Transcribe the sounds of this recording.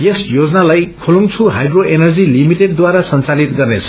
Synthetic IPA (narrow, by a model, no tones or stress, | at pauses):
jesjod͡zʌnalajkʰuluŋt͡sʰuɦajɖroʔenʌrd͡zilimiʈeɖ̚d̪waɾasʌnt͡salit̪ɡʌrnet͡sʰʌ̥